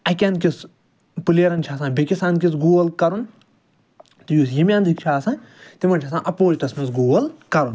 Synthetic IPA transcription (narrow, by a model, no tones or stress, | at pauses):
ɐkʲɐnkʲis | puleːɾɐnt͡ʃʰas̬ãːnbʲekʲisaːnkʲisɡuːɡɐlkɐɾun | t̪ijuːsjimʲãːnd̪ʱikt͡ʃʰaːsãːnt̪imɐnt͡ʃʰɐs̬ãːʔɐpoːt͡ʃʈ̪ɐsmɐsɡoːɡɐlkɐɾun